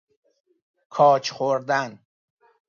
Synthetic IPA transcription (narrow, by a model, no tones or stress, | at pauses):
kʰɒːt͡ʃʰxoɾd̪æn